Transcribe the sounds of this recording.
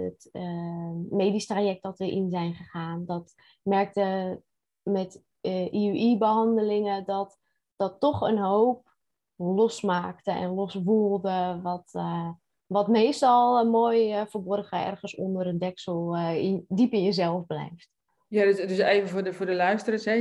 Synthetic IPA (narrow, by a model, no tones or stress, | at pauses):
ətəmeːdistrajɛk̚tdɔtʋəʔinzɛjnχəχaːndɔt | mɛrk̚tə | mɛt | ʔiʔibəɦɑndəlɪŋədɔt | d̥ɔtːɔxənɦoːp̚ | lɔsmaːktəʔɛ̰nlɔsʋuəlˠdəʋɔt | ʋɔtmeːstɔlˠmoːjfəbɔrxəɛ̰rχənso̰ndəɾəndɛksəlˠndipɪnjəzɛlˠfblɛ̰jft | jadsdəseːvəvʊəfʊːdəlœɥstərasɛ